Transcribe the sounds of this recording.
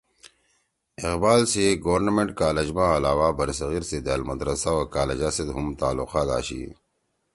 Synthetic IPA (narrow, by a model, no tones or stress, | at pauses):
ɪqbaːlseɡɐwɐɾnɐmeɳʈkaːlɐd͡ʑmãɐlaːwabɐɾisɐɣiːɾsed̪aːlmɐd̪ɾɐsaokaːled͡ʑaːsed̪ɦumt̪aːlːuqaːt̪a̰ːɕḭ